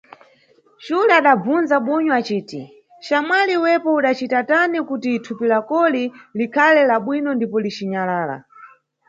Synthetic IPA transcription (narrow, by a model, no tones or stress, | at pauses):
t͡ʃulaaɗab͡vunzaɓɔɲɔat͡ʃiːti | ʃamwaliwɛpɔuɗat͡ʃitatanɛkutitʰupilakɔlilikʰalɛlaɓwinɔndipɔlit͡ʃiɲalaːla̰